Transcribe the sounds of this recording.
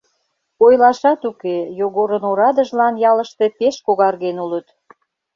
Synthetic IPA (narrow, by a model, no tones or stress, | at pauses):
ojlɑʃɑt̪ukejoɣoɾənoɾɑd̪əʒlɑnjɑləʃt̪e̽peʃkoɣɑrɣenulət̪